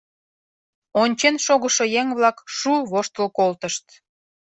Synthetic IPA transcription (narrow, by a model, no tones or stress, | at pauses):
onʲt͡ɕenʃoɣəʃojeŋβlɑkʃuβoʃt̪əlkolt̪əʃt̪